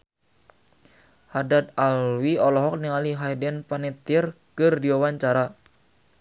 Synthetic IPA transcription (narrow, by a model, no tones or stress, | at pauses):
hadat̪̚alwiɔlɔɦɔk̚niŋaliɦajdɛnpanit̪irkɨrdiwawaɲt͡ʃaɾa